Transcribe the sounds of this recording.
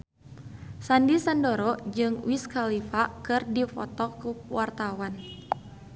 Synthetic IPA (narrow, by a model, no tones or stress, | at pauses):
sandisandɔɾɔd͡ʒɨŋwiskalifakɨrdifɔ̰t̪ɔkuwart̪awan